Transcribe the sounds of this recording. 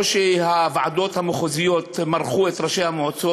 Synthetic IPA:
ʃehavʕa̰d̪o̞t̪hamoχozijot̪maɾχuet̪ʁaʃejhamot͡so

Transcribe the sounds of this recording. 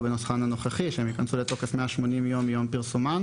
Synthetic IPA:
benosχanhano̞χaχiʃeemjikansuleto̞kefmeaʃmo̞nimjo̞mjo̞mpiʁsuman

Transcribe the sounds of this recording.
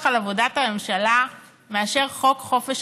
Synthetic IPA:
χalavo̞dathamemʃala | me̞aʃe̞ʁχo̞kχo̞feʃ

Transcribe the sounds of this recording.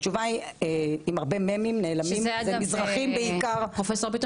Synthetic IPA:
t͡ʃuvaieimaʁbememimneːlamimmizʁaχimbeikaʁpofesopit̪

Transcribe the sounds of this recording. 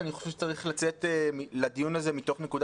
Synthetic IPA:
niχoʃvʃet͡saʁiχlat͡se̞temilad̪ijunaze̞mito̞χne̞kud̪a

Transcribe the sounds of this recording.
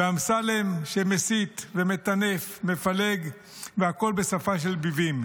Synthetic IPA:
veamsalemʃemesit̪veme̞t̪ane̞fmefale̞ɡ | veako̞lbe̞safaʃ̬e̞lbivim

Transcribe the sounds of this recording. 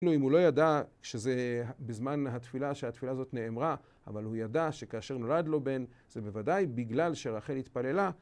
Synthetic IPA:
luimhulo̞jadaʃezebezmanɦat̪filaʃehat̪filaːzo̞t̪ne̞ːmʁa | a̰valhujadaʃe̞kaːʃe̞ʁno̞lad̪lo̞be̞n | z̥e̞bevadajbiɡlalʃeʁaχe̞lhit̪pale̞la

